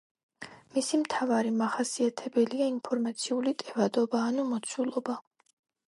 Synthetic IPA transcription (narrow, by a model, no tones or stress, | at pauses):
misimt̪ʰavaɾimaχasiat̪ʰɛbɛliainpʰɔɾmat̪sʰiulit̪ʼɛvad̪ɔbaːnumɔt̪sʰulˠɔba